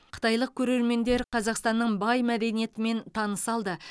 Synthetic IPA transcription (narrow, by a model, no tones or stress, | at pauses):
qʰə̥t̪ɑjlˠəq̚kʲʰɵɾe̞ɾme̞nd̪e̞ɾqʰɑzɑqst̪ɑnːəɴbɑjmæd̪e̞nije̞t̪ɪme̞nt̪ʰɑnəsɑlˠd̪ə